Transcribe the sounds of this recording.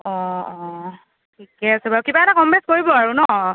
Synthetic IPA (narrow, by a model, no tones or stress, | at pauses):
ɔɔ | tʰikɛasɛbakibaɛtakɔmbɛskoɹibɔaɹunɔ